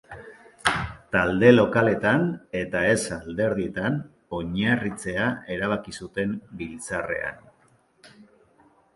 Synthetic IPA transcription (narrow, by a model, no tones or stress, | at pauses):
t̪ald̪e̞lo̞kale̞t̪ane̞t̪ae̞sald̪e̞ɾðie̞t̪an | o̞ɲarit͡se̞ae̞ɾaβ̞akisut̪e̞mbilt͡sare̞̰a̰n